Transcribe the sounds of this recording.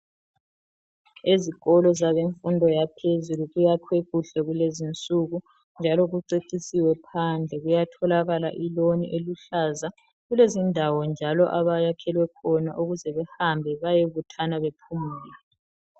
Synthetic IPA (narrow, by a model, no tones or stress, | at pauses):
eziɣɔlɔzaβeɱfundʱɔjapʰezuluɣujakʰweɣuɬɛɣulezint͡sʼuɣu | nd͡ʒʱalɔɣuǀeǀisiwɛpʰand͡ɮʱɛɣujatʰɔlaɣalaʔilonḭʔeluɬaza | ɣulezindʱawɔnd͡ʒʱalɔʔaβajakʰɛlwɛkʰɔna̰ʔuɣuzɛβɛhambʱɛβajeβutʰanaβepʰumiːlɛ